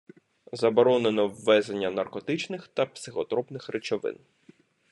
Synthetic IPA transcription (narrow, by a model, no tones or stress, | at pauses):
zɐbɔɾɔnenɔwːɛzenʲːɐnɐrkɔt̪ɪt͡ʃnɪxt̪ɐpsɪxɔt̪ɾɔpnɪxrɪt͡ʃɔʋɪ̰n